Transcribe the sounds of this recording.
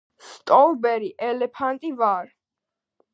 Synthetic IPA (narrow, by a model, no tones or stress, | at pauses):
st̪ʼɔlbɛɾiʔɛlɛpʰant̪ʼivaɾ